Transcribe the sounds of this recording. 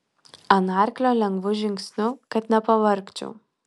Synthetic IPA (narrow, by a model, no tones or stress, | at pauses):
ɐnɑːɾʲklʲoːlʲɛŋɡʋʊʒʲɪŋksʲnʲʊkɐt̪nʲɛpɐʋɐɾʲkt͡ʃʲʊ̰